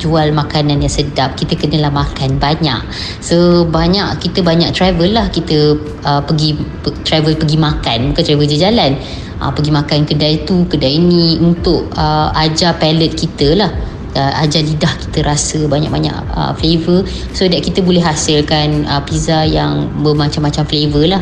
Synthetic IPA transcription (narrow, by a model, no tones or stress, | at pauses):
d͡ʒualmakanãnjaŋsədap̚kit̪əkənəlahmakanbaɲã̰ʔ | sobaɲaʔkit̪əbaɲaʔ̚t̪ɾavəlːahkit̪ə | əpəɡi | t̪ɾavəlpəɡimakanbukant̪ɾavəd͡ʒəd͡ʒalan | ʔə̰pəɡimãkankədait̪ukədainĩunt̪ʊʔəad͡ʒapɛlət̪̚kit̪əlah | əa̰d͡ʒalidahki̥t̪əɾasəbaɲa̰ʔ̚baɲã̰ʔə̰flevə | sodaʔkit̪əbolɛɦasɪlkanəpizajaŋbəmat͡ʃamːat͡ʃamflevəlah